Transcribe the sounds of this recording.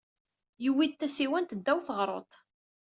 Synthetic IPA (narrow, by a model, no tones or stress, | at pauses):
jəwːid̪̚θæsiwænt̪əd̪ːæwθəʁɾˤo̰t̪ˤ